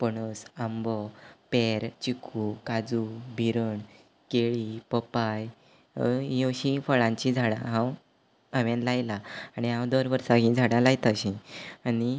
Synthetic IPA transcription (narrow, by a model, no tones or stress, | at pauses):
pəɳ̃əsambɔpeɾt͡ɕikʰukad͡zubʱiɾəɳ | keɭipəpaj | jõɕifəɭãɲt͡ɕid͡zʱaɽã̰ɦãw | aʋjãnlajlaaɽ̃iɦãwd̪əɾʋəɾsaɦĩd͡zʱaɽãlajt̪əɕĩani